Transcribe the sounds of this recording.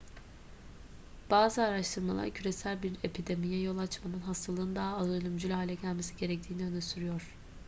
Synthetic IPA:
b̥aːzɯaɾaʃt̪ʰɯɾmalˠa̰ɾcʰyɾe̞sælʲbiɾepʰid̪e̞mijɛjo̞lˠat͡ʃmanɯnɦast̪ʰalˠɯːnd̪aɦaːzˠolʲˠymd͡ʒylʲɦaːlʲɛɟælʲme̞siɟe̞ɾɛc̚t̪ʰiːniø̞nɛsyɾyjo̞ɾ̥

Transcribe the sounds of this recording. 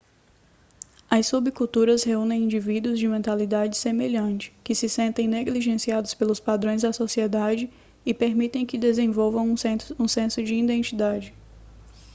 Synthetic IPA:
ɐsubikuwt̪uɾɐsheũnẽj̃ĩd͡ʒivid̪uʊzd͡ʒɪmẽnt̪alid̪ad͡ʒɪsemeʎɐ̃t͡ʃɪ̥kɪsɪsẽnt̪ẽj̃neɡliʒẽsiad̪ʊspelʊspad̪ɾõj̃zd̪ɐsosied̪ad͡ʒɪ | ɪpeɾmit̪ẽj̃kɪd̪ezẽvowvɐ̃w̃ũsẽsʊd͡ʒɪĩd̪ẽnt͡ʃid̪ad͡ʒɪ

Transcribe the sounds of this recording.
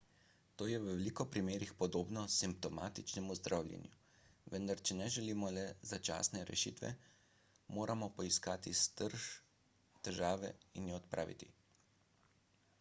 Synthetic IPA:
t̪oːjɛwʋɛlikɔpɾimeːɾixpɔd̪oːbnɔsimp̚t̪ɔmaːt̪it͡ʃnɛmuzd̪ɾʔaːwlʲjɛ̰nju | ʋənd̪aɾt͡ʃɛnɛʒɛliːmɔlɛzat͡ʃa̰ːsnɛɾɛ̰ʃiːt̪ʋɛ̰ | moːɾʔamɔpɔiskaːt̪ist̪əɾʒ | t̪ɛʒaːʋɛ̰injɛɔt̪pɾʔa̰ːʋḭt̪ḭ

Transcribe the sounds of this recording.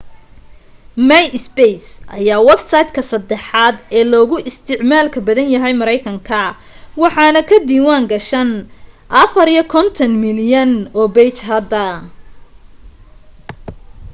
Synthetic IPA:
mɛjɪsbɛjsʔɐ̰jaːwɛbsɐjd̪kʰɐsɐd̪ɛħɑːd̪ɛːlɔːɣʊʔɪst̪ʰɪʕmaːlkʰɐbɐðɐnjɐɦɛjmɐɾɛjkʰɐŋkʰɐ | wɑħɑːnɐkʰɐd̪iːwaːŋɡɐʃɐnʔɐfɐɾijɔkʰɔnt̪ʰɐnmɪljɐnɔːbɛjt͡ʃɦɐd̪ɐ

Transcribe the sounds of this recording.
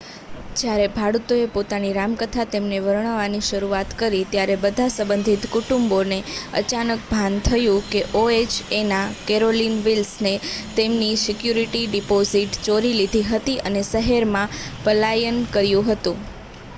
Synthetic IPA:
d͡ʒjaɾebʱaɽut̪oepot̪aniɾamkət̪ʰat̪emneʋəɾɳ̃əʋaniʃəɾuat̪kəɾit̪jaɾebəd̪ʱasə̃mbənd̪ʱit̪kuʈumboneə̰t͡ʃanək̚bʱant̪ʰəjũkeʔoet͡ʃenakeɾolinʋilsnet̪emnisɪkjuɾiʈiɖipoziʈt͡ʃoɾilid̪ʱiɦət̪iʔənesəɦeɾmãpəlajənkəɾjũɦət̪ũ

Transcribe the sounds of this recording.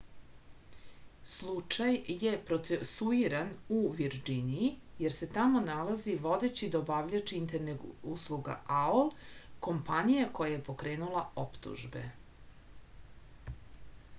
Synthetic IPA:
slˠut͡ʂajjepɾot̪sesuiɾanuʋiɾd͡ʒiniijeɾse̞t̪amo̞nalaziʋo̞d̪e̞t͡ɕid̪aobaʋʎet͡ʃiint̪eɾnekuslˠuɡa̰ʔaolko̞mpaɲijeko̞jajepo̞kɾe̞ːnulaopt̪ṵʒbe̞̰

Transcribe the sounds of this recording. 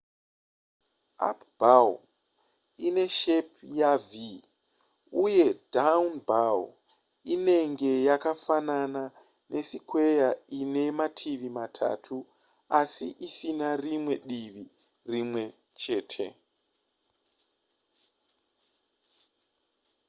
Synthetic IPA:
a̰pbaw | ine̞ʃepjavi | uje̞daunbawo | ine̞ŋɡe̞jakafanana | nʔe̞sikwe̞jaine̞matʰiʋimatʰa̰tʰu | asiʔisinarimwe̞ɗiʋi | rimwe̞ | t͡ʃe̞ːtʰe̞̰

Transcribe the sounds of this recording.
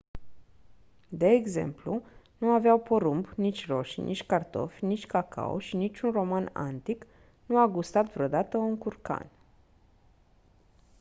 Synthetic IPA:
d̪e̞ːɡze̞̰mplunuaveawpoɾumbnit͡ʃʲro̞ʃnʔḭt͡ʃʲkart̪o̞̰fʲnit͡ʃʲkakʰa̰o̰ʃinit͡ʃʲunro̞mana̰nt̪ik | nuaɡust̪at̪vɾeo̞d̪at̪əuŋkurka̰n

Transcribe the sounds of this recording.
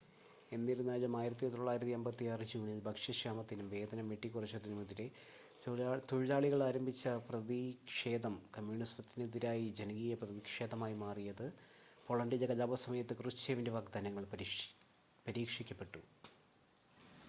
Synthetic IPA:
e̞nːiɾunːaːjlɐmaːjiɾɐt̪ːit̪oɭːaːjiɾɐt̪ːiembɐt̪ːiarɨd͡ʑuːɳilbʱɐkʂɐɕaːmɐt̪ːinumʋe̞ːd̪ɐnɐmʋeʈːikːurɐt͡ɕːut̪ːinumiðiɾe | t̪uɻlaːɭiɣɐɭaːɾɐmbʱit͡ɕːɐprɐðikʂe̞ːðɐmkɐmjuːɳistɐt̪ːinɨðiɾaːjid͡ʑenɐŋɡijɐprɐðikʂe̞ːðɐmaːjimaːrijɐðɨ | po̞ɭɐɳɖilɐkɐlaːbɐsɐmɐjɐt̪ːɨkrɨt͡ɕːeːʋindeʋɐɡd̪ɐnɐŋːɐɭp | pɐɾiːkʂikʲːɐpːe̞ʈːu

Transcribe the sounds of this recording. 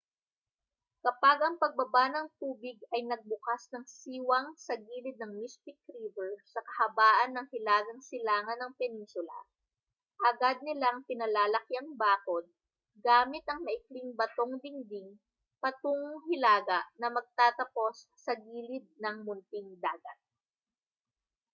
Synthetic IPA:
kɐpaɡʔɐŋpɐɡ̚bɐbanɐŋt̪uːbɪɡ̚ɐjnɐɡ̚bʊkasnɐŋsiːwɐŋsɐɡiːlɪd̪̚nɐŋmist̪ɪkɾiːvɛɹsɐkɐhɐbaːʔɐnːɐŋhɪlaːɡɐŋsɪlaːŋɐnɐŋpɛninsʊlɐ̰ | ʔɐɡad̪̚nɪlaɐŋpɪnɐlaːlɐkjɐŋbaːkod̪̚ | ɡaːmɪt̪ɐŋmɐʔɪkliŋbɐt̪oŋd̪ɪŋd̪ɪŋ | pɐt̪oŋhɪlaːɡɐʔnɐmɐɡ̚t̪aːt̪ɐpo̞sːɐɡiːlɪd̪̚nɐŋmʊnt̪ɪŋd̪aːɡɐt̪̚

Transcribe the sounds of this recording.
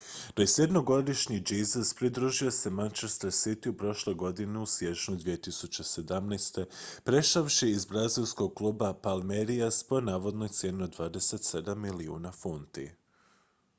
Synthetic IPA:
d̪̥ojsje̞d̪no̞ɡo̞d̪iʃɲid͡ʒiːzaspɾid̪ɾuːʒio̞se̞mant͡ʃe̞st̪aɾsit̪iupɾo̞ʃle̞jɡo̞d̪iniusje̞t͡ʃɲud̪ʋijet̪isut͡ɕe̞se̞d̪amnast̪e̞pɾe̞ʃaʋʃiizbɾazilˠsko̞ɡ̚klˠuːbapalˠmeɾiaspo̞naːʋo̞d̪no̞jt̪sje̞ːniod̪ʋaːd̪e̞se̞t̪se̞d̪amːiliṵːnafunt̪ḭ

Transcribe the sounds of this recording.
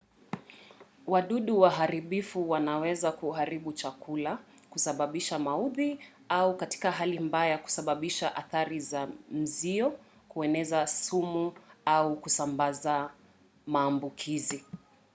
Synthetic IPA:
waɗuɗuwaɦaɾiɓifuwanawɛzakuɦaɾiɓut͡ʃakula | kusaɓaɓiʃamauði | aukati̥kaɦalimbajaku̥saɓaɓiʃaʔaθaɾizam̩ziɔ | kuɛnɛzasumuaukusambaza | maːmbukʰizi

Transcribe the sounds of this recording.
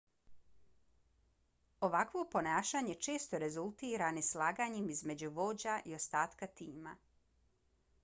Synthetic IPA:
o̞ʋakʋo̞po̞naːʃaːɲe̞t͡ʃe̞ːst̪o̞ɾe̞zult̪iːɾanislˠaːɡaɲemizme̞d͡ʑuʋo̞ːd͡ʑaʔio̞st̪aːt̪kat̪iːma

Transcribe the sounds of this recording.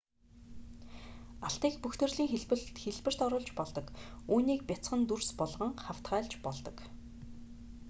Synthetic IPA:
aɬt̪iːkpuxt̪ʰɘ̆rɮiːŋxeɮpɘ̆ɬt̪xeɮpɘ̆r̥t̪ɔɾʊːɮt͡ɕpɔɮt̪ɞ̆kuːniːk̚pʲat͡sχə̆nt̪urspɔɮʁə̆ŋχaw̥t̪ɢæːɮt͡ɕpɔɮt̪ɞ̆k

